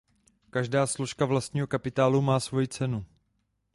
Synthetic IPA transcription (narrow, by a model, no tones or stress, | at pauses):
kaʒdaːslo̞ʃkavlast̪ɲiːɦo̞kapɪt̪aːlumaːsvo̞jit͡sɛnu